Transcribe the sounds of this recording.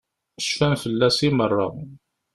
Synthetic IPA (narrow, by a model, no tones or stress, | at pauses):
əʃfænfəlːæsimərˤːɑ̰